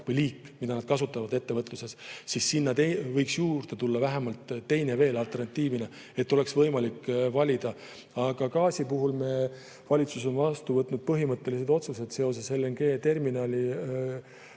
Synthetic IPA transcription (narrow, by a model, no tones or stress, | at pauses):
kvujliːkːmid̪ɑnɑd̪̥̚kɑsut̪ːˑɑvɑd̪e̞t̪ːe̞vɤt̪ˑluse̞ssisːinːɑt̪evɤjksjuːrd̪e̞t̪ulːɑvæɦemɑlt̪ːe̞jne̞ve̞ːlɑlt̪e̞rnɑt̪ːiːvine | e̞t̪ːˑo̞le̞ksvɤjmɑlikːvɑlʲid̪̥ɑ | ɑɡ̥ɑkɑːsʲipuɦulme | vɑlʲit̪sus̬o̞nvɑst̪uvɤt̪ːnud̪̥̚pɤɦimɤt̪ːe̞lis̬e̞d̪o̞t̪suse̞d̪̥se̞o̞s̬e̞selːeŋɡ̥e̞ːt̪e̞rminɑːlʲi